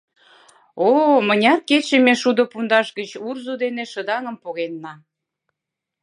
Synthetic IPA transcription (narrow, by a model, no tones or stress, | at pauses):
omənʲɑket͡ɕemeʃud̪opund̪ɑʃɣət͡ɕurzud̪eneʃəd̪ɑŋə̆mpoɣenːɑ